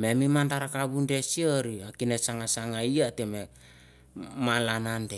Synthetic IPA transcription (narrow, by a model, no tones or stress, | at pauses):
me̞mimandaɾakaβunde̞sioɾiakinesaŋasaŋaiateme | malanande